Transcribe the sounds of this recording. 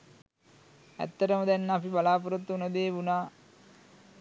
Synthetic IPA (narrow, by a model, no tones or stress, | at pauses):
æ̰t̪ːɐɾəməd̪ænːəapibalaːp̬uɾut̪ːəunəd̪eːʋunaː